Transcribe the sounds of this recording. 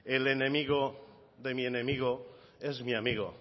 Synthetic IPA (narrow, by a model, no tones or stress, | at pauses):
elenẽmiɣo | ðe̞mienẽmiɣ̞o | ezmiamiɣo̰